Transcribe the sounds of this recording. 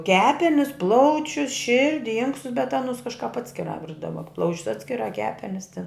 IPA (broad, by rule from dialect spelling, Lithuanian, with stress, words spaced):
ˈkʲæːpʲɛnʲɪs ˈplˠɐʊt͡ʃʲʊs ˈʃʲɪrʲdʲɪ ˈɪŋkstʊs bʲɛt ˈɑːnʊs ˈkɑːʃkɐp ˈɑːtʲsʲkʲɪrɑː ˈʋʲɪrdɐʋɐ ˈplˠɐʊt͡ʃʲʊs ˈɑːtʲsʲkʲɪrɑː ˈkʲæːpʲɛnʲɪs tʲɪn